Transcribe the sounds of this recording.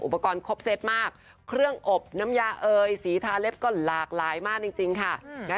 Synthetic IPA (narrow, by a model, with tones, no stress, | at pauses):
ʔu˨˩pːa˧kɔː˧nkʰo˦˥p̚se˦˥t̪̚maː˥˩k̚ | kʰɾɯ˥˩əŋʔo˨˩p̚na˦˥mjaː˧ʔɤː˧jsiː˩˦t̪ʰaː˧le˦˥p̚kɔː˥˩laː˨˩k̚laː˨˩˦jmaː˥˩k̚t͡ɕi˧ŋt͡ɕi˧ŋkʰa˥˩mɛ˦˥